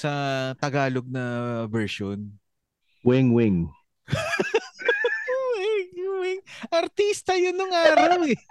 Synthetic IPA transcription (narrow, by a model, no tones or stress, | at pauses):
sɐt̪ɐɡaːloɡ̚nɐbɛɹʃon | wɛŋwɪŋ | wɛŋwɪŋʔɐɾt̪ist̪ɐjʊnːʊŋaːɾɐwɛ